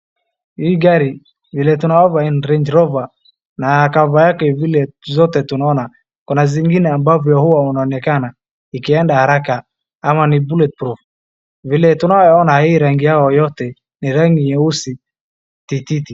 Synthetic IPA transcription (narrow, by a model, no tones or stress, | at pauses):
hiːɡaɾi | vilɛtunaɔvainɾɛɲd͡ʒɾɔva | nakavajakɛvilɛzɔtɛtunaɔna | kunaziŋɡinɛambavjɔhuwaunaɔnɛkana | ikiɛndahaɾaka | amanibulɛt̚pɾuf | vilɛtunaɔnahiːɾaŋɡijaɔjɔtɛ | niɾaŋɡijɛusi | tititi